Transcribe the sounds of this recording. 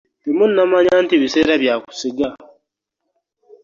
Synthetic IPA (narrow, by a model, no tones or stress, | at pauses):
temunːamaɲantiβise̞ːɾaβjaku̥siɡa